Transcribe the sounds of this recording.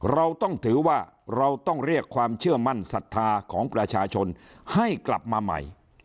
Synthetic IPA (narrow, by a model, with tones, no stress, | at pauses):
ɾa˧wt̪ɔ˥˩ŋt̪ʰɯː˩˦waː˥˩ | ɾa˧wt̪ɔ˥˩ŋɾi˥˩əkʰːwaː˧mt͡ɕʰɯ˥˩əma˥˩nsa˨˩t̪ʰːaː˧kʰɔː˩˦ŋpɾa˧t͡ɕʰaː˧t͡ɕʰo˧n | ha˥˩jkla̰˨˩p̚maː˧ma̰˨˩j